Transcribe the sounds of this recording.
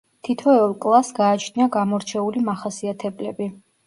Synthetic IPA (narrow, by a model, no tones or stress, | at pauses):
t̪ʰit̪ʰɔɛɔlˠkʼlˠasɡaːt͡ʃʰniaɡamɔɾt͡ʃʰɛulimaχasiat̪ʰɛblɛbi